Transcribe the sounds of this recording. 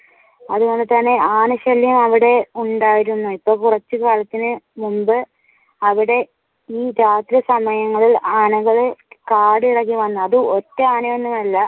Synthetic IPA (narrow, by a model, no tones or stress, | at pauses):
ɐðuɣo̞ɳɖɨt̪ɐnːe̞ʔaːnɐɕɐljumɐʋiɽe̞uɳɖaːjiɾunːuipːoːɭkurɐt͡ɕːɨkaːɭɐt̪ːinɨmumbɨ | ɐʋiɽe̞ | iːɾaːt̪ɾɐsɐmɐjɐŋːɐɭilaːnɐɣɐɭɨkaːɽɨiɽɐkːiʋɐnːɨɐðɨotːeaːnɐjenːumɐlːɐ